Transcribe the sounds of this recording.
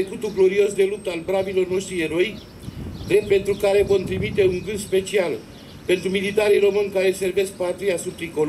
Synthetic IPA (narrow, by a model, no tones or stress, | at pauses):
ekut̪uɡlo̞ɾio̞sd̪e̞lup̚t̪əaalbɾabilo̞rno̞st̪ɾieɾo̞ik | d̪ɾepe̞nt̪ɾukaɾe̞vo̞nt̪ɾimit̪e̞uŋɡɨnd̪spe̞t͡ʃial | pe̞nt̪ɾumilit̪aɾijro̞mɨnʲkaɾelse̞rve̞sk̚pat̪ɾiasub̚t̪ɾikol